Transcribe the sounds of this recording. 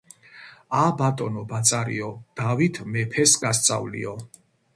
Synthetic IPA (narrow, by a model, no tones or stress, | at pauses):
abat̪ʼɔnɔbat̪sʼaɾḭɔd̪̥avit̪ʰmɛpʰɛsɡast̪sʼa̰vlḭɔ